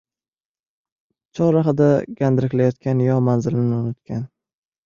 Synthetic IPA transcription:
t͡ʃʰɒɾaχɨd̪aɡʲand̪ɪɾɪkʲlajɒt̪kʲʰanjɒmanzɪlɪnɪʊnʊt̪kʲan

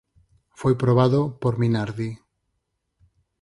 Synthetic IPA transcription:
fojpɾoβ̞aðopoɾminaɾði

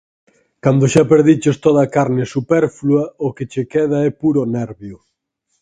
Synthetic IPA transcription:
kand̪ʊʃapeɾðit͡ʃost̪oðɐkaɾnɪsupɛɾfluɐoket͡ʃekɛð̞aɛpuɾonɛɾβjʊ

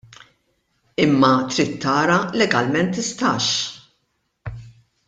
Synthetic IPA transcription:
ɪmːɐt̪ɾit̪ːɐːɾɐlɛɡɐlmɛnt̪ːɪst̪ɐːʃ

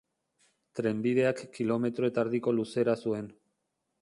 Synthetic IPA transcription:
t̪ɾe̞mbið̞e̞akːilo̞me̞t̪ɾo̞et̪aɾðiko̞luse̞ɾasue̞n

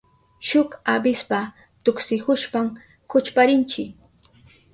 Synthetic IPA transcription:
ʃʊkabɪspa | t̪ʊksɪhʊʃpam | kʊt͡ʃpaɾɪnt͡ʃɪk

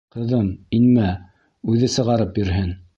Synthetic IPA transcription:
qɤ̆ðɤninmæ | ʉðɘsɤ̆ʁɑɾɤp̚bĭɾɦɘn

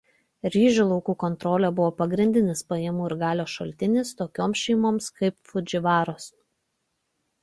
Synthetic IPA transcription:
ɾʲiːʒʲʊlˠɔʊkuːkɔnt̪ɾoːlʲɛbʊʋoːpɐɡɾʲɪnʲd̪ʲɪnʲɪspɐjɛmuːɪɾɡɑːlʲoːʃɐlʲt̪ʲɪnʲɪst̪oːkʲoːmsʃʲɛɪmoːmskɐɪpfʊd͡ʒʲɪʋɑːɾoːs

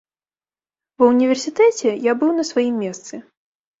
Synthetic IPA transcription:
vɐwnʲivʲɛrsʲit̪ɛt͡sʲɛjabɨwnɐsvajimʲːɛst̪sɨ

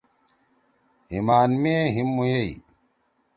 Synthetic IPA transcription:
hḭmaːnmeɦimːujei

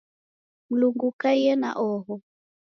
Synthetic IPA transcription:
m̩luŋɡukajɛna̰ʔɔɦɔ

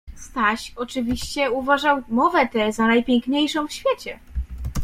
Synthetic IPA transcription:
st̪aɕɔt͡ʂɘvʲiɕt͡ɕɛuvaʐawmɔvɛt̪ɛzanajpʲjɛŋkɲejʂɔ̃w̃fɕfʲjɛt͡ɕɛ

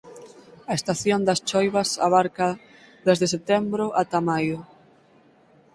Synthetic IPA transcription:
ɐest̪aθjond̪ast͡ʃɔjβɐsaβaɾka | ðezðeset̪ɛmbɾʊʔat̪amajʊ

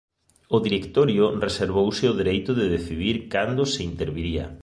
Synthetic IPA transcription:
ʊðiɾekt̪oɾjʊreseɾβ̞owsɪʊðeɾejt̪ʊðɪðeθiðiɾkand̪ʊsɪint̪eɾβiɾiɐ̰

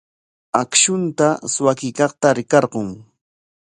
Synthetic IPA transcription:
akʃʊnt̪aswakɪkɑχt̪aɾɪkɑɾɢoŋ

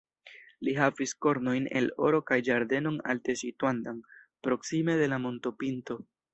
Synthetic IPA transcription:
liɦavisko̞ɾno̞jne̞̰lo̞ɾo̞kajd͡ʒaɾde̞no̞ŋa̰lte̞sitwandaŋ | pɾo̞ksime̞de̞lamo̞ntopinto̞

